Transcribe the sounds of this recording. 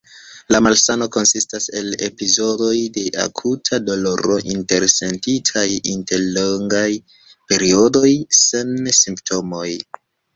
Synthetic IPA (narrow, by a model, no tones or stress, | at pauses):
lamalsano̞ko̞nsistase̞le̞̰pizo̞do̞jde̞ʔa̰kʰutʰado̞lo̞ɾo̞ʔinte̞ɾse̞ntitʰajinte̞ɾloŋɡaj | pe̞ɾio̞do̞jsensimptʰo̞mo̞j